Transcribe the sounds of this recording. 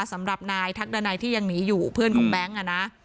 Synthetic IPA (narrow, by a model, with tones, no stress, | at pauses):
sa˩˦mɾa˨˩p̚naː˧jt̪ʰa˦˥k̚da˧naː˧jt̪ʰiː˥˩ja˧ŋniː˩˦˥juː˨˩pʰɯ˥˩ənkʰɔ̰ː˩˦ŋbɛ˦˥ŋʔa˧˩na˦˥